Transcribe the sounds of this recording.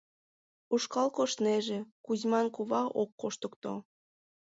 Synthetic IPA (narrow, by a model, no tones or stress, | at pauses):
uʃkɑlkoʃneʒekuzmɑnkuβɑʔokːoʃt̪əkt̪o̰